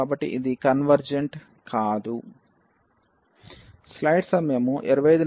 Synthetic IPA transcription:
aːbɐʈːḭʔid̪ikɐnʋɐɾd͡ʒeɳʈ | kaːd̪u | slɐjʈsɐmeːmuʔiɾɐʋɐjɐjd̪u

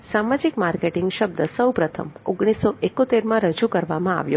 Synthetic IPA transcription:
samad͡ʒikmaɾkeʈɪŋɡʃəbd̪əsəwpɾət̪ʰə̰moɡɽ̃isːoʔekot̪eɾmãɾəd͡ʒukəɾʋamãa̰ʋjo̰

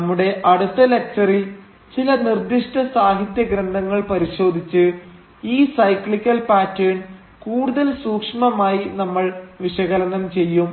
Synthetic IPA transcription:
ɐmːuɽe̞ʔɐɽut̪ːɐlek̚t͡ɕɐril | t͡ɕilɐnird̪iʂʈɐsaːɦit̪jɐɡɾɐnd̪ɐŋːɐɭpɐɾiɕo̞ːd̪ʱit͡ɕːɨ | iːsɐjkɭikʲːɐlpaːtːijn | kuːɽuðɐlsuːkʂɐmɐmaːjinɐmːɐɭʋiɕɐɣɐlɐnɐmt͡ɕe̞jːum

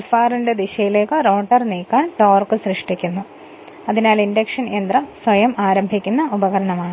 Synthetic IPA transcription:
ɐlfaːrinded̪iɕɐjile̞ːkːɨro̞ːʈɐrniːkːaːnʈoːrkɨsrɨʂʈikʲːunːu | ɐðinaːlindekʂɐnend̪rɐsʋɐjɐmaːɾɐmbʱikʲːunːɐubɐɣɐɾɐɳɐmaːɳɨ

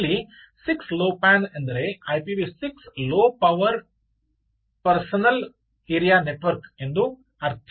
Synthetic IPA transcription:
li | siksloːpæːnend̪ɐɾeɐjpibisiksloːpɐʋɐɾ | pɐɾsɐnɐl | eːɾijaːneʈʋɐɾkend̪u | ɐɾt̪ʰ

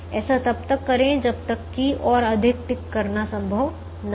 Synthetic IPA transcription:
ɛːsat̪ɐb̚t̪ɐkːɐɾẽd͡ʒɐb̚t̪ɐkːiʔɔːɾɐd̪ʱɪk̚ʈɪkːɐɾnasɐ̃mbʱəʋ | n

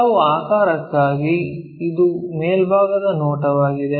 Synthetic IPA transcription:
ʋuaːkaːɾɐkːaːɡi | id̪umeːlbʱaːɡɐd̪ɐnoːʈɐʋaːɡid̪e

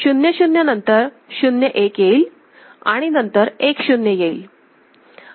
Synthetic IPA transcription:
ɕunjəɕunjənənt̪əɾ | ɕunjəʔekjeil | a̰ɽ̃inənt̪əɾekɕunjəjeil

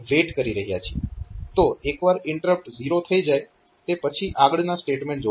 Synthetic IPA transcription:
ʋeʈkəɾiɾəɦija̰t͡ʃʰiet̪oekʋaɾɪɳʈəɾəp̚ʈziɾot̪ʰəid͡ʒae | t̪epət͡ʃʰiʔaɡɭnasʈeʈmẽɳʈ̚d͡ʒo

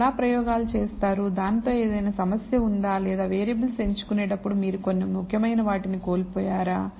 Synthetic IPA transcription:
laːpɾɐjɔːɡaːlut͡ʃe̞ːst̪aːɾud̪aːnt̪o̞ːe̞ːd̪ɐjnaːsɐmɐsjɐund̪aːlɛːd̪aːʋeːɾiɐbɐlse̞ɲt͡ʃu̥kuneːʈɐpːuɽumiːɾuko̞nːimukʰjɐmɐjnɐʋaːʈiniko̞ːlipoːjaːɾaː

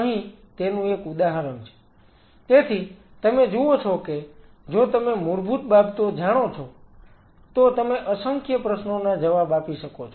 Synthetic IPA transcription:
əɦĩ | t̪enũekud̪aɦəɾənt͡ʃʰe̥ | t̪et̪ʰi | t̪əmed͡ʒuot͡ʃʰɔke | d͡ʒot̪əmemuɾbʱut̪̚babt̪od͡ʒaɽ̃ot͡ʃʰɔ | t̪ot̪əmeʔəsəŋkjəpɾəʃnonad͡ʒəʋabapiʃəkot͡ʃʰo

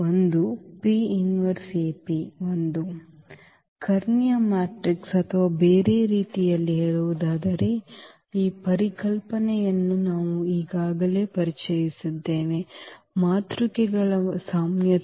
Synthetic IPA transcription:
ond̪upiːjuniʋɐɾsepiʋond̪u | kɐɾnjamaːʈɾiksɐt̪ʰɐʋaːbe̞ːɾe̞ːɾiːt̪ijɐlːiɦeːɭuʋud̪aːd̪ɐɾe̞ | iːpɐɾikɐlpɐnɛjɐnːunaːʋuiːɡaːɡɐle̞ːpɐɾit͡ʃɐjisid̪ːeːʋe | maːt̪ɾukɛɡɐɭɐsaːmjɐ

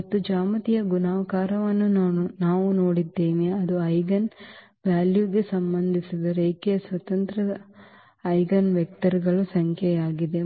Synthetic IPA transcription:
ɐt̪ːud͡ʒaːmɐt̪ijɐɡunaːʋɐkaːɾɐʋɐnːunaːunaːʋuno̞ːɽid̪ːeːniɐd̪uɐjɡɐn | ʋaːljuɡe̞sɐmbɐnd̪ʱisid̪ɐɾeːkeɐsʋɐt̪ɐnt̪ɾɐɐ | ɐjɡɐnʋjɛk̚t̪ɐɾiɡɐɭusɐŋkʰjɛjaːɡid̪e̞

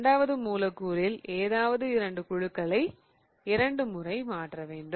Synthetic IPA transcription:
ɳɖaːʋɐðɯmuːlɐkːuːɾɪleːðaːʋɐðɯɪɾɐɳɖɯkʊɻɯkːɐɭɐɪ | ɪɾɐɳɖɯmʊrɐɪmaːʈrɐʋeːɳɖɯ

